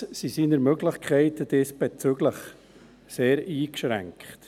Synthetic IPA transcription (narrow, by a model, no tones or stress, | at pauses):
sisiːnəɾmøɡləχkʰɛɪtəd̥eːsb̥et͡syɡ̥ləχ | seːɾiːkʃɾæ̰ŋkχt